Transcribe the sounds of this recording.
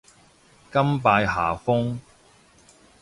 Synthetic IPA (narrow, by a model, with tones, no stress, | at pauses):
kɐ˥mpaː˧jɦa̰ː˨˩fʊ˥ŋ